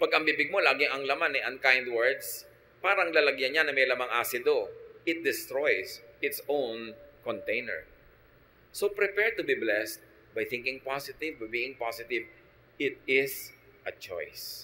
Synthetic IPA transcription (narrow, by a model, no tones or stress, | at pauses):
pɐɡɐŋbibɪɡ̚mo̞laːɡɪŋʔɐŋlɐmanɛʔɐ̃nkãjnd̪wɛɹd̪s | paːɾɐŋlalɐɡjanɲanɐmɛjlɐmaŋʔaːsɪd̪oʔɪt̪̚d̪ɪst̪ɹojsʔɪt̪sõwnkɔnt̪ejnɛ̰ɹ | sopɹɪpɛɹd̪̚t̪ʊbiblɛst̪̚ | bajθɪ̃ŋkɪ̃ŋpasɪt̪ɪvbajbiːɪŋpasɪt̪ɪv | ɪt̪̚ɪs | ʔɐt͡ʃo̰js